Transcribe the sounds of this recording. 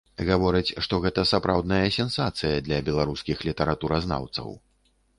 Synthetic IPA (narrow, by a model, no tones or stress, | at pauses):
ɣavɔɾɨt͡sʲʂt̪ɔɣɛt̪ɐsapɾawd̪nɐjɐsʲɛnsat̪sɨjɐd̪lʲɐbʲɛlˠaɾuskʲixlʲit̪ɛɾat̪uɾɐzna̰wt̪sɐ̰w